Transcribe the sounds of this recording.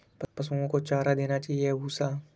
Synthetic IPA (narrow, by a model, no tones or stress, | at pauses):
ppɐsũõkot͡ʃaːɾad̪eːnat͡ʃaːɦijeɦuːsaː